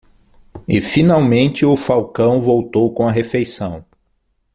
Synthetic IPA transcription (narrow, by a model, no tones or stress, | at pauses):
ɪfinawmẽnt͡ʃɪʊfawkɐ̃w̃vowt̪owkõɐɦefejsɐ̃w̃